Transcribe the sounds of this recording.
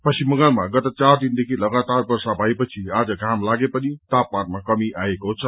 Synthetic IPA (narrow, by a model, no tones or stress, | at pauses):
pʌsimːʌŋɡʌlmaɡʌt̪ʌt͡sard̪ind̪ekʰilʌɡat̪arbʌrsabʱʌepʌt͡sʰiad͡zʌɡʱamlaɡepʌnit̪apmanmakʌmiʔaekot͡sʰʌ